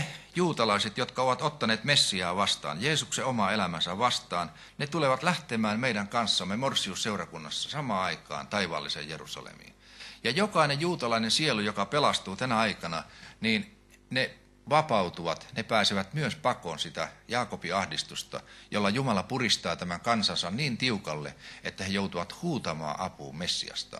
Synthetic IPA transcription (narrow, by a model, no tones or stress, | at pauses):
juːt̪ɑlɑiset̪jot̪kɑoʋɑt̪ot̪ːɑneːt̪mesːiɑːʋɑst̪ɑ̰ːnjeːsukseomɑelæmænsæʋʋɑst̪ˑɑːn | net̪uleʋɑt̪læht̪emæːnmeidæŋkɑnsːɑmːemorsiusseurɑkunːɑsːɑ̥sɑmɑːɑikˑɑ̰ːnt̪ɑiʋɑ̰ːlːisḛjjerṵsɑ̰lḛmḭːn | jɑjokɑinejjuːt̪ɑlɑinensielujokɑpelɑst̪uːt̪ænæɑikɑnɑniːn | ne | ʋɑpɑut̪uʋɑt̪nepæːseʋæt̪myøspɑkonsit̪æjɑːkopiɑhdist̪ust̪ɑ̰jolːɑjumɑlɑpurist̪ɑːt̪æmæŋkɑnsɑnsɑnniːnt̪iukɑlːḛet̪ːæhejout̪uʋɑt̪huːt̪ɑmɑ̰ːʔɑpṵːmmesːḭɑ̰st̪ɑ̰